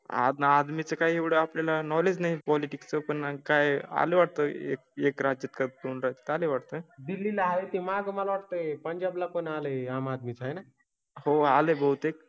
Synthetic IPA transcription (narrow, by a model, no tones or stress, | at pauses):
a̰d̪ad̪mit͡səkaɦieʋɽeapljalanɔled͡znaɦipɔliʈikst͡səpəɳkaja̰leʋaʈ̚t̪əḛk̚ekɾad͡ʒət̪kəkunɾaɦt̪e̥t̪aleʋaʈ̚t̪əd̪ilːilaɦaet̪imaɡmalʋaʈt̪əpəɲd͡ʒablakonaləaːmad̪mit͡saɦejna | hoalebəɦut̪ek̚